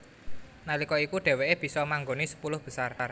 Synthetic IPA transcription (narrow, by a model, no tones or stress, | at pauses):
nalikɔikuɖ̥ɛ̤weʔeb̥i̤sɔmaŋɡonisə̥pulʊhb̥ə̤sarr